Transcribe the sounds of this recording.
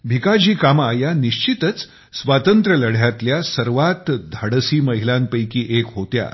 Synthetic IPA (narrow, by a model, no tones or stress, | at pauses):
bʱikad͡ʑiːkamajaniɕt͡ɕit̪ət͡s | sʋat̪ənt̪ɾələɽ̤jat̪ljasəɾʋat̪d̪ʱəɽəsiːməɦilãmpəjkiːʔekɦot̪ja̰